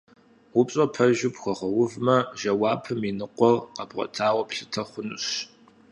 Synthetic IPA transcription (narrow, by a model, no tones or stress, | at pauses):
ʊpɕʼɐpʰɐʒʊpxʷɔχɐwʊvmɐʒɐwɑːpʰɨminɨqʷɔrqɐbʁʷɔ̰tʰaːwɔpɬɨtʰɐχʷʊnɕ